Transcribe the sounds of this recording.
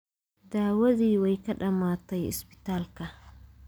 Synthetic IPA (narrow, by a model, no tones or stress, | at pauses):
d̪aːwɐðiːwɛjkɐɗɐmaːt̪ɛjɪ̰spɪ̥t̪aːlkɐ